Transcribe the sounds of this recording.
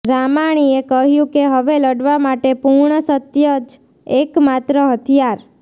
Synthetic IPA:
ɾamaɽ̃iekəɦjũkeɦəʋeləɖʋamaʈepuɾɳəsət̪jəd͡ʒ | ekmat̪ɾəɦət̪ʰijaɾ

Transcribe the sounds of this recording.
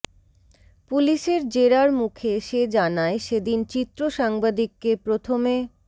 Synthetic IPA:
puliʃeɾd͡ʑeɾaɾmukʰeʃed͡ʑanaeʃed̪int͡ɕit̪ːɾoʃaŋbad̪ikːepɾot̪ʰome

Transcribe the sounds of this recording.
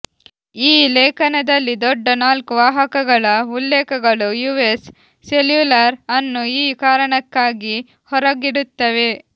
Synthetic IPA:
iːlɛːkʰɐnɐd̪ɐlːid̪ɔɖːɐnaːlkuʋaːɦɐkɐɡɐɭɐulːɛːkɐɡɐɭujuːesː | eljulɐɾɐnːuiːkaːɾɐɳɐkːaːɡi | hɔɾɐɡiɽut̪ːɐʋe̞

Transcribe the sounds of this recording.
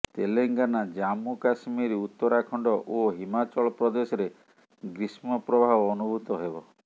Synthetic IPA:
t̪eleŋɡanad͡ʒamukasmiɾiut̪ːɔɾakʰɔɳɖɔʔoɦimat͡ʃɔɭɔpɾɔd̪esɔɾe | ɡɾismɔpɾɔbʱaɦɔːnubʱut̪ɔɦebɔ

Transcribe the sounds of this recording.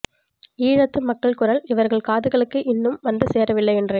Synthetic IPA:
iːɻɐt̪ːɯmɐkːɐɭkʊrɐlɪʋɐɾɣɐɭkaːðɯɣɐɭɯkːɯʔɪnːɯmʋɐnd̪ɯseːɾɐʋɪlːɐɪɛndre

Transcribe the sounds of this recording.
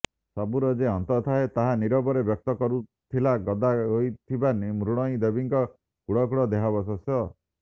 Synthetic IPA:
sabuɾɔd͡ʒeɔnt̪ɔt̪ʰaet̪aɦaniɾɔbɔɾebjɔk̚t̪ɔkɔɾut̪ʰilaɡɔd̪aɦojt̪ʰibanimɾuɽ̃ɔĩd̪ebiŋkɔ | kuɽɔkuɽɔd̪eɦabɔsɔsjɔ

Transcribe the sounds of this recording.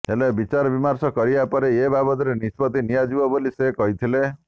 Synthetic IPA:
elebit͡ʃaɾɔbimaɾsɔkɔɾiapɔɾeebabɔt̪ɔɾenispɔt̪inijad͡ʒibɔbolisekɔɦit̪ʰile

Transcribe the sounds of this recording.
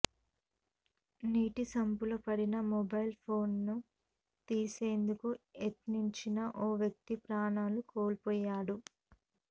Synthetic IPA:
niːʈisɐmpulopɐɽinɐmɔbɐjlpʰo̞ːnːu | t̪iːse̞ːnd̪ukuet̪niɲt͡ʃinɐʔoːʋjɐk̚t̪ipɾaːɳaːlukoːlpɔːjːaːɽu

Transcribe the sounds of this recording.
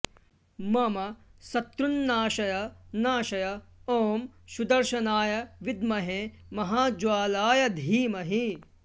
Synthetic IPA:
mɐmɐsɐt̪ɾunːaːʃɐjɐnaːʃɐjɐoːmʃud̪ɐɾʃɐnaːjɐʋid̪̚mɐɦe | mɐɦaːd͡ʒwaːlaːjɐd̪ʱiːmɐɦi

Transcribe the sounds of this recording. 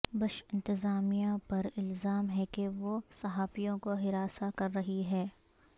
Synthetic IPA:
bɐʃɪ̃nt̪ɪzaːmijapɐɾɪlzaːmɦɛkeʋosɐɦaːfijõkoɦɪɾaːsakɐɾːɐɦiɦɛː

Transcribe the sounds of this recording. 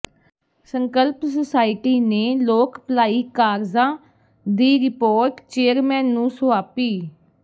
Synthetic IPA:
səŋkəlpsəsaːɪʈiːneːloːkplaːiːkaːɾzãː | d̪iːɾɪpoːɾʈt͡ʃeːəɾmɛːnːũːsʊaːpiː

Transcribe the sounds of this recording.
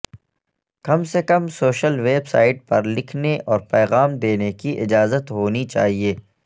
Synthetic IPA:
kɐmsekɐmsoːʃəlʋeːbsa̰ːɪʈ̚pɐɾlɪkʰneʔɔːɾpɛːɣaːmd̪eːnekiʔɪd͡ʒaːzət̪ɦoːnit͡ʃa̰ːɦieː

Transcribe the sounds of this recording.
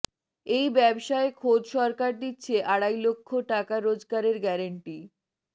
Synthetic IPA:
ejbɛbʃaekʰod̪ʃɔɾkaɾd̪itːɕʰeʔaɽajlokʰːoʈakaɾod͡ʑɡaɾeɾɡɛɾaɳʈi

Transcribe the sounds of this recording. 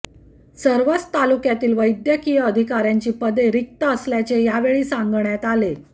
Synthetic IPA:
səɾʋət͡st̪alukjat̪iːlʋəjd̪jəkijəəd̪ʱikaɾjaɲt͡ɕiːpəd̪eɾik̚t̪əəsljat͡ɕejaʋeɭiːsãŋɡɳjat̪ale

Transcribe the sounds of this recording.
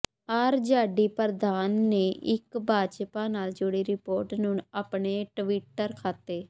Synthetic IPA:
aɾd͡ʒaːɖiːpəɾd̪aːnːeːʔɪ̰kbʱaːd͡ʒpãːnaːld͡ʒʊɽiːɾɪpoːɾʈnũːnaːpɳeːʈʋiːʈːəɾkʰaːt̪eː

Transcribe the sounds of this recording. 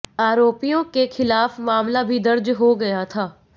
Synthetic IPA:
aːɾoːpijõkexʰɪlaːfmaːmlabʱid̪ɐɾd͡ʒɦoɡɐjat̪ʰaː

